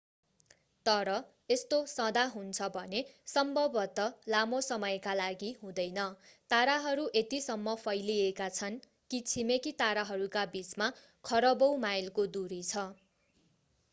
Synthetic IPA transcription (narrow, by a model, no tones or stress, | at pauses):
t̪ʌɾʌ | est̪osʌd̪aɦunt͡sʰʌbʱʌnesʌmbʱʌbʌt̪ʌlamosʌmʌjkalaɡiɦũd̪ʌjnʌt̪aɾaɦʌɾuʔet̪isʌmːʌpʰʌjliekat͡sʰʌn | kit͡sʰimekit̪aɾaɦʌɾukabit͡sma | kʰʌɾʌbʌwmajlkod̪uɾit͡sʰʌ